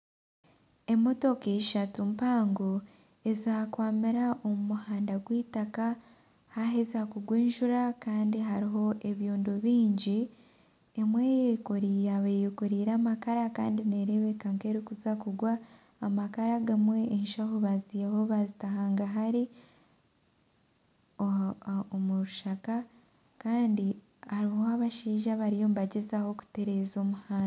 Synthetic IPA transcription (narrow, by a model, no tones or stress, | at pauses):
e̞muto̞keiʃatumpaːŋɡo | e̞zaːkwaːmiɾaʔo̞mumuhaːndaɡwiːtaka | haɦezakuɡweːnʒuɾakaːndiɦaɾiɦo̞ʔe̞βjoːndoβiːɲɟi | emwejekuɾiːaβejekuɾiːɾaːmakaɾaka̰ːndine̞ɾe̞βe̞kaŋke̞ɾikuzakuɡwaː | makaɾaɡamwe̞ʔːnʃahoβazijaho̞βazitaɦaːŋɡaɦaɾi | oomuɾuʃaka | kaːndi | aɾihoaβaʃiːʒaβaɾijo̞ːmβaɟezaho̞ku̥te̞ɾe̞ːzo̞ːmuhaː